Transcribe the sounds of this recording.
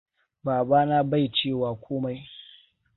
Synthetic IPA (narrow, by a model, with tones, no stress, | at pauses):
baː˨baː˦na˦ba˦˨jt͡ʃeː˦˨waː˨kʷoː˦ma˦j